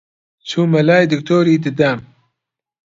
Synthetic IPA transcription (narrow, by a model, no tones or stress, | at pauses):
t͡sʰuːmɐlaːjd̪ɨk̚t̪ʰoːɾiːd̪ɨd̪am